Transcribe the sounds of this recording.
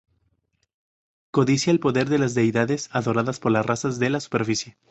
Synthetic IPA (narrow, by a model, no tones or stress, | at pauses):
ko̞ðisjaelpo̞ðe̞ɾðe̞lazd̪e̞jðaðe̞saðo̞ɾaðaspo̞ɾlasrasazðe̞lasu̥pe̞ɾfisje